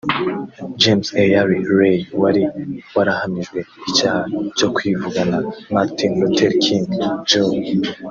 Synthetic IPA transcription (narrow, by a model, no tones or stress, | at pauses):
d͡ʒemsejaɾiɾejwaɾiwaɾahamiʒɡwe̞icaːhat͡ʃo̞kwivuɡanamaɾtinlutʰeɾkʰiŋɡd͡ʒo